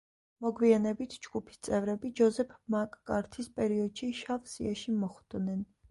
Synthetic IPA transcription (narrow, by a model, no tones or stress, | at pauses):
mɔɡwianɛbit̪ʰd͡ʒɡupʰi̥st̪sʼɛvɾɛbid͡ʒɔzɛpʰmakʼːaɾt̪ʰispʼɛɾiɔd̪̥ʃiʃavsḭaʃimɔχd̪̥nɛn